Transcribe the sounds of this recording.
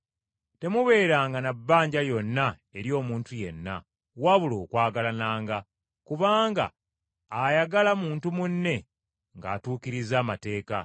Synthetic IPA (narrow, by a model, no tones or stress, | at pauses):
te̞muβe̞ːɾaːŋɡanabːaːɲɟajo̞nːa | e̞ɾjo̞ːmuːntuje̞̰nːa̰ | waβulo̞ːkwaːɡalanaːŋɡa | kuβaːŋɡa̰ː | jaɡalamuːntumunːe̞ | ŋɡa̰ːtuːkiɾizaːmate̞ːka̰